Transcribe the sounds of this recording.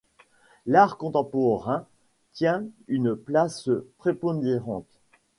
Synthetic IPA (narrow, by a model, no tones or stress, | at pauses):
laʁkɔ̃t̪ɑ̃pɔʁɛ̃ | t̪jɛ̃ynplaspχepɔ̃d̪eʁɑ̃t̪